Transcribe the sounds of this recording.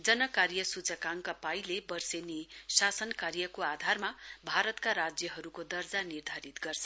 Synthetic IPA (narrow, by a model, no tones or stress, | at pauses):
d͡zʌnʌkaɾjʌsut͡sʌkaŋkapajlebʌrsenesasʌnkaɾjʌkoad̪ʱarmabʱaɾʌt̪kaɾad͡zjʌɦʌɾukod̪ʌrd͡zanird̪ʱaɾit̪ɡʌrt͡sʰʌ